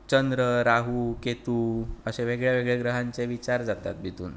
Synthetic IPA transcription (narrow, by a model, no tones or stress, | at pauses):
t͡ɕənd̪ɾəɾaɦuket̪uəɕeʋeɡɭjaʋeɡɭeɡɾəɦaɲt͡seʋit͡ɕaɾd͡zat̪a̰t̪̚bit̪ṵːn